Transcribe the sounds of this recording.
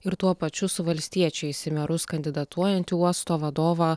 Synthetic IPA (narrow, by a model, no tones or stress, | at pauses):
ɪɾt̪uɔpɐt͡ʃʲʊsʊʋɐlʲsʲt̪ʲiɛt͡ʃʲɛɪsʲɪmʲɛɾʊskɐnʲd̪ʲɪd̪ɐt̪ʰuɔjɛnʲt̪ʲɪuɔst̪oːʋɐd̪oːʋɑː